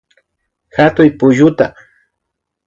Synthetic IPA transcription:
xat̪ʊjpʊʒʊt̪a

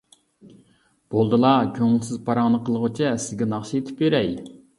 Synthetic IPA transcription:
b̥olˠd̪ɨlˠɑkʲʰøŋlˠsɪzpʰɑɾɑŋnɨqʰəlˠəʁʊt͡ʃʰɛsɪzɡʲɛnɑχʃiet̪ʰɪ̥pjøɾɛj

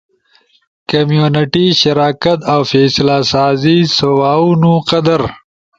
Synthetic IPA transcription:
kɐmjuːnɪʈiʃɐɾaːkɐt̪awfeːslasaːzisɐwaːunũqɐd̪ɐɾ

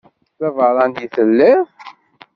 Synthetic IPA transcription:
θævəɾˤɑnd̪iθəlːi

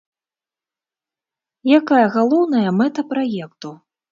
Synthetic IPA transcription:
jakajɐɣalˠɔwn̪ɐjɐmɛt̪ɐpɾajɛkt̪u

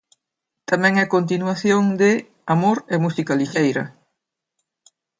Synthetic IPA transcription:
t̪amɛ̃ŋɛkont̪̬inwaθjoŋd̪ɪ | amoɾemusikɐliʃejɾɐ̰

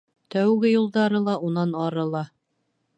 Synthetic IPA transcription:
t̪æwɡɘjulˠd̪ɑɾɤlˠɑunɑnɑɾɤlˠɑ

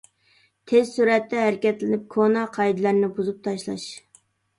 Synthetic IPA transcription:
t̪ʰezsuɾɛt̪ːɛɦæɾɪkʲɛt̪lɪnɪp̚kʰonɑqʰɑjd̪ɨlæɾnɪbuzup̚t̪ʰɑʃlˠɑ̰ʃ

